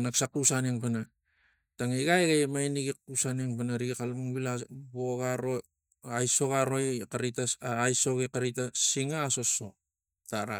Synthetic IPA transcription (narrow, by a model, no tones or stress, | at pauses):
naksakusaneŋpana | taŋiɡajɡajmajniɡik̚ːusaneŋpanaɾiɡikalmuŋbilaboɡaɾo | ajso̞ɡaɾo̞jkaɾitaːjso̞ɡekaɾitasiŋaːsoso̞ | taɾa